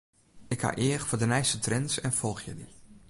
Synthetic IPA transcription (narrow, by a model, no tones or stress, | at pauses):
ɪkha̰ʔɪəxfoːdənɛjstətrɛnsɛnfɔlˠxjə̰di